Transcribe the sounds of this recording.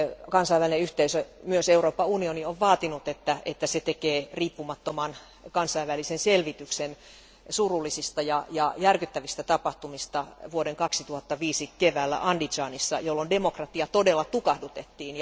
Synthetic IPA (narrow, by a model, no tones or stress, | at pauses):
kɑnsɑiʋælineyht̪eisømyøseuroːpːɑunionioʋʋɑːt̪inut̪et̪ːæet̪ːæset̪ekeːriːpːumɑt̪ːomɑn | kɑnsɑiʋʋælisenselʋit̪yksen | surulːˑisist̪ɑjɑjɑjærkyt̪ːæʋist̪æt̪ɑpɑht̪umist̪ɑʋuodeŋkɑksit̪uhɑt̪ːɑʋiːsikeʋæːlːæ̰ʔɑndit͡ʃɑːnisːɑ̰jolːondemokrɑt̪iɑt̪odelːɑt̪ukɑhdut̪et̪ːiːnjɑ